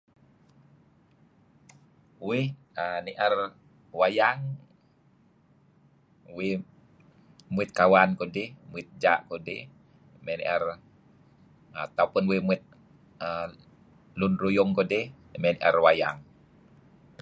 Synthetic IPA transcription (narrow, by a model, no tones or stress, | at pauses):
weəniʔər | wajaŋ | we | muit̪̚kawankodɛhmuit̪̚d͡ʒaʔkodɛ̰h | mɛniʔər | at̪aupunwemuit̪̚ | ə | lunrujɔŋkodɛh | mɛniʔərwaja̰ŋ